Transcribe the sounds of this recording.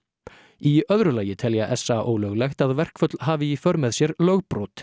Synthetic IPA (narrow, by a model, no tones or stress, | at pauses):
iœðɾʏlaːjɪt̪ʰɛljaʔɛsaʔo̰ːwlœɣlɛxt̪aðvɛr̥kfœt̪lɦaːvɪifœɾmɛðsjɛɾlœɣpɾowt̪